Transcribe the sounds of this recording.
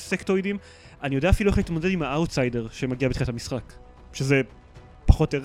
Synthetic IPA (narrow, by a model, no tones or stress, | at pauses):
sektojdim | anijodeaːfilueχait̪modedimhaawtsajde̞ʁʃemaɡiabet̪χinatamisχak | ʃeze̞ | paχo̞te